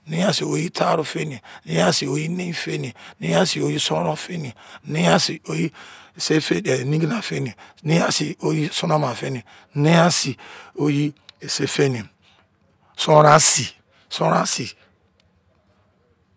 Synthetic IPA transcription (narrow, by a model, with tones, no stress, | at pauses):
nĩ˦a˦si˨o˨ji˦tʰa˦ɾu˦fe˦ni˨e˨ni˦a˦si˨o˦ji˦nẽ˦fe˦ni˨e˨nĩ˦a˦si˨o˦ji˦sõ˦ɾo˦fe˦ni˨e˨˦ni˦a˦si˨o˦ji˦˨se˦fe˦e˨nĩ˦ɡi˦na˨fe˦ni˨e˨nĩ˦a˦si˨o˦ji˦so˦na˦ma˨fe˦n˨e˨ | nẽ˦a˦si˨o˦ji˦e˨se˦fe˦ni˨e˨ | sõ˦ɾa˦si˨ | sõ˦ɾa˦si˨